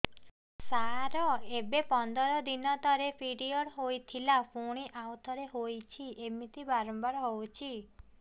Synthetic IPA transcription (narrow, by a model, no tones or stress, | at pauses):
saɾɔebepɔnd̪ɔɾɔd̪inɔt̪ɔɾepʰiɽiɔɽɦojt̪ʰilapʰoɽ̃iʔawt̪ʰɔɾeɦojt͡ʃʰiemit̪ibaɾɔmbɔɾɔɦowt͡ʃʰi